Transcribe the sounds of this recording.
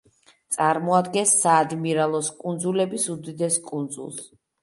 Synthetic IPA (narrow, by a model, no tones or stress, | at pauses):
t̪sʼaɾmɔad̪ɡɛnsːaːd̪miɾalˠɔskʼund̪zulɛbisud̪id̪ɛskʼund̪zṵlˠs